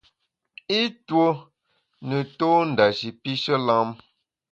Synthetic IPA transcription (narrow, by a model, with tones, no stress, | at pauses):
i˦two˦ | nə˨toː˦n̩˨da˨ʃi˨pi˦ʃə˦lã˦m